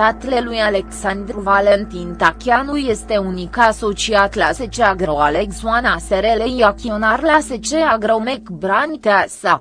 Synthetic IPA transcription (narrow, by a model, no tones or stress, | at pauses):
at̪lelujaleksand̪ɾvalent̪int̪akʲjanuljest̪eunikaso̞t͡ʃiat̪laset͡ʃeaɡɾoaleksuanaseɾelenjakʲionarlaset͡ʃeaɡɾamekbɾant̪asa